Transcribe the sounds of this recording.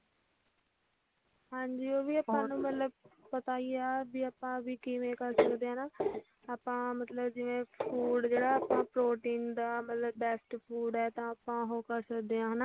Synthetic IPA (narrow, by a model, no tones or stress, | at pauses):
ɦãːɲd͡ʑioːbʱiɐpãnũmɐt̪ləb̚pɐt̪aiaːbʱiɐpãbʱikimẽkɐɾsɐkd̪eːaanaː | əpãmɐt̪ləbd͡ʑɪʋẽfʰuːɖd͡ʑeːɽaəpãpɾoːʈĩːnd̪amɐt̪ləbːɛːsʈfuːɖaɦet̪ãɐpãɦokɐɾsɐkd̪eãɦɐna